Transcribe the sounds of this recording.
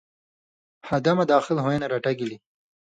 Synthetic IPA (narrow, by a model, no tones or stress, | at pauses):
had̪amad̪ɑːxɪlɦoenaɾaʈaɡili